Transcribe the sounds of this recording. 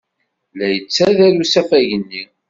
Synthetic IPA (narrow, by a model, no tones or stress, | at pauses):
læjət͡sːæðælusæfæʝənːi